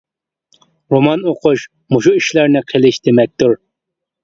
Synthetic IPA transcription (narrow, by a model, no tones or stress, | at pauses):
ɾomɑnoqʊʃ | moʃuiʃlæɾnɪqʰəlˠɪʃd̪emɛk̚ʲt̪uɾ